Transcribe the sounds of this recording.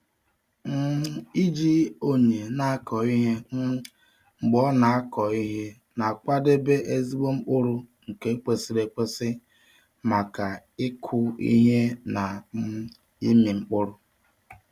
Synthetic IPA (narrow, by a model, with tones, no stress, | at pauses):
m̩˦i˦d͡ʒi˦o˦ɲe˨na˦a˦kʰɔ˨i˦ɦe˦ | ŋ͡m̩˨ɡ͡bɔ˦na˨a˦kɔ˨i˦ɦe˦ | na˨k͡pa˦de˦be˦ʔe˦zi˦ɡ͡bo˦ŋ͡m̩˦k͡pʊ˦ɾʊ˦ŋ̩˨ke˨e˦k͡pe˨si˨le˨k͡pe˦sɪ˦ | ma˨ka˨ɪ˦kʰʊ˦ḭ˦ɦe˦na˨ | i˦mi˨ŋ͡m̩˦k͡pʊ˦ɾʊ˨